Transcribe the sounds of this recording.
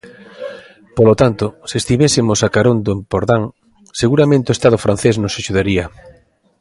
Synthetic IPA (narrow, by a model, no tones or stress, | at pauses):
polot̪ant̪oseest̪iβesemosakaɾond̪oempoɾðaŋ | seɣuɾamẽnt̪eoest̪aðofɾan̟θesnosaʃuðaɾia